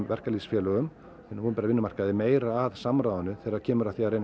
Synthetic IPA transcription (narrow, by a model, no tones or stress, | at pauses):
vɛr̥kalisfjɛːlœɣʏm | ɛnhunmpɛɾavɪnːʏmar̥kaðɪmeːjɾaːðsamɾawðanʏθɛːɾacʰɛːmʏɾaθiaɾejn